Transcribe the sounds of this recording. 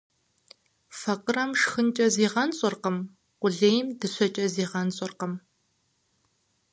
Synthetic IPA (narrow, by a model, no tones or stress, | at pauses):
fɐqərɐmʂxɨnt͡ʃʼɐziːʁɐnɕʼɐrqəm | qʷʊɮeːjmdɨɕʷɐt͡ʃʼɐziːʁɐnt͡sʼɐrqɐm